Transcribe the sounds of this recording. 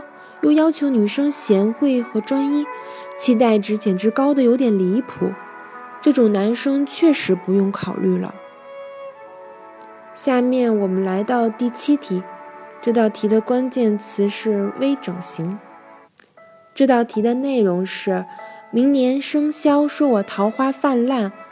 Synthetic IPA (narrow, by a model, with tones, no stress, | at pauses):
jo˥˩jɑ˥ʊt͡ɕʰjo˧˥ʊny˨˩ʂɤ˥ŋɕjɛ˧˥nxwe˥˩ɪxɤ˧˥ʈ͡ʂwɑ˥ŋi˥t͡ɕʰi˥t̪̬a˥˩ɪʈ͡ʂɻ̩˧˥t͡ɕjɛ˨˩nʈ͡ʂɻ̩˧˥kɑ˥ʊd̪ə˨jo˧˥ʊt̪jɛ˨˩nli˧˥pʰṵ˨˩˦ | ʈ͡ʂɤ˥˩ʈ͡ʂʊ˨˩ŋna˧˥nʂɤ˥ŋt͡ɕʰɥɛ˥˩ʂɻ̩˧˥pu˧˥jʊ˥˩ŋkʰɑ˨˩ʊly˥˩lə̰˩ | ɕja˥˧mjɛ˥˩nwɔ˨˩mə˦nla˧˥ɪt̪ɑ˥˧ʊt̪i˥˩t͡ɕʰi˥t̪ʰi˧˥ʈ͡ʂɤ˥˧t̪ɑ˥˩ʊt̪ʰi˧˥d̪ə˧kwa˥nt͡ɕjɛ˥˩nt͡sʰɹ̩˧˥ʂɻ̩˥˩we˥ɪʈ͡ʂɤ˨˩ŋɕi˧˥ŋ | ʈ͡ʂɤ˥˧t̪ɑ˥˩ʊt̪ʰi˧˥d̪ə˧ne˥˩ɪɻʊ˧˥ŋʂɻ̩˥˩mi˧˥ŋnjɛ˧˥nʂɤ˥ŋɕjɑ˥ʊʂwɔ˥wɔ˨˩t̪ʰɑ˧˥ʊxwa˥fa˥˧nla˥˩n